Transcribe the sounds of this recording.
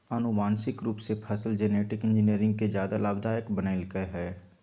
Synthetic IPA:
ənʊmaːnsɪkɾuːpsepʰəsəld͡ʒeneːʈɪkɪ̃nd͡ʒɪniəɾɪ̃ŋɡ̚ked͡ʒjaːd̪alaːbd̪ʱaːjəkbənaɪlɡəeɦɛː

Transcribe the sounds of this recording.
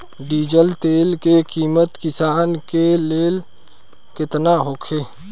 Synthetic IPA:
ɖiːd͡ʒəlt̪eːlkekiːmət̪kɪsaːnkeleːl | kɪt̪naɦokʰeː

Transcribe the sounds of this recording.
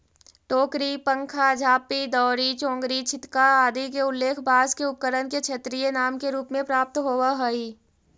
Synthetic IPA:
ʈoːkɾipə̃ŋkʰad͡ʒʱaːpid̪ɔːɾit͡ʃõːŋɡɾit͡ʃʰɪt̪kaaːd̪ik̬eʊlːeːkʰbaːskeʊp̚kəɾənket͡ʃʰet̪ɾijenaːmkeɾuːpmẽpɾaːp̚t̪ɦoːwaɦoiː

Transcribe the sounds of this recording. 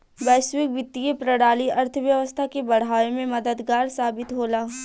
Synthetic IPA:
bɛːswɪk̚bɪt̪ːijepɾɐɽaːliɐɾt̪ʰəʋjəʋəst̪ʰakebɐɽ̤ɦaːwemẽmɐd̪əd̪ɡaːɾsaːbɪt̪ɦoːlaː

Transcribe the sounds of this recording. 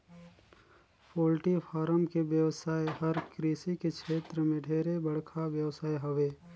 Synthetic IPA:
poːlʈipʰaːɾəmkeʋjəʋsaːeɦəɾkɾiːsikekʃʰeːt̪ɾəmẽɖʱeːɾebəɽ̤kʰabjəʋsaːeɦɐʋeː

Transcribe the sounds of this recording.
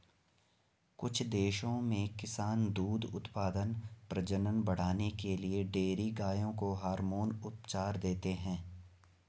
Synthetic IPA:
kʊt͡ʃʰd̪eːʃõmẽkɪsaːnd̪uːd̪ʊ̰t̪paːd̪ənpɾɐd͡ʒənənbɐɽ̤aːnekelieɖeːɾiɡaːjõkoɦaːɾmoːnʊt̪̚t͡ʃaːɾd̪eːt̪eɦɛ̃ː

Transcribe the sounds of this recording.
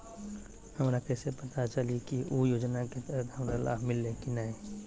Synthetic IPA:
həmɾakɛsepət̪at͡ʃəliekiʔojoːd͡ʒnaket̪ɛɦət̪ɦɐmɾala̰ːbʱmɪlːẽkinaɦẽ

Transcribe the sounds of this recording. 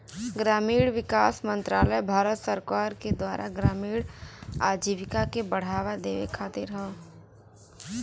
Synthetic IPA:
ɡɾaːmiːɽʋɪkaːsmə̃nt̪ɾaːləjbʱaːɾət̪səɾkaːɾked̪waːɾʔa̰ɡɾaːmiːɽa̰ːd͡ʒiʋɪkakebəɽ̤aːwad̪eːʋḛkʰaːt̪ɪɾɦɛ

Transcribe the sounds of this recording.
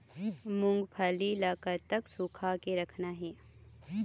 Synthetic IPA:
mʊ̃ŋɡpʰaːlilaːkəɾt̪ɐksuːkʰakeɾɐkʰnaɦɛː

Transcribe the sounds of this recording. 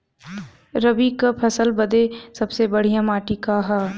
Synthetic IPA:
ɾəbikapʰɐsəlbəd̪esɐbsebɐɽ̤ijãmaːʈikaɦɛ

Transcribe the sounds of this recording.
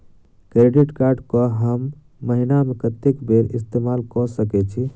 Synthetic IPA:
kɾeɖiʈkaɾɖkɔɦəmː | əɦinamekət̪ekbeɾist̪emalkɔsəkɛt͡ʃʰi

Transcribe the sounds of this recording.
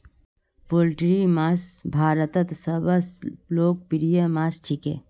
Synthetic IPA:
polʈɾimasbʱaːɾət̪ɐt̪sɐbɐsloːk̚piɾijəmast͡ʃʰikḛ

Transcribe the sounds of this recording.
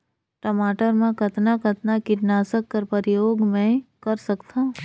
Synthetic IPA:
ʈomaːʈəɾmẽkɐt̪nakɐt̪nakɪʈnaːsəkːɐɾpəɾɪjoːɡmẽkɐɾsɐkt̪aɦ

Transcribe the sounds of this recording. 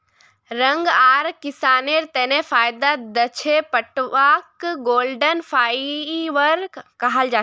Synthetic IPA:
ɾə̃ŋɡaːɾkɪsaːneɾt̪ɛːnefʰaːjd̪ad̪ət͡ʃʰepəʈʋakɡoːlɖənpʰaːʋəɾkəɦəld͡ʒaː

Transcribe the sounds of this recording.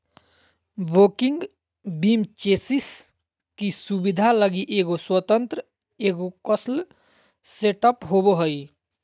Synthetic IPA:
ʋoːkɪŋɡ | biːmt͡ʃeːsis | kisubid̪ʱaləɡiʔeːɡoswət̪ənt̪ɾə | eːɡokəsl | seʈəpɦoboɦəi

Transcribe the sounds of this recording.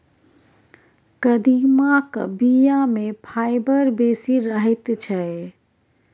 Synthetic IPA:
kəd̪imakbijamẽpʰaːɪbəɾbeːsiɾəɦɛt̪t͡ʃʰɛ

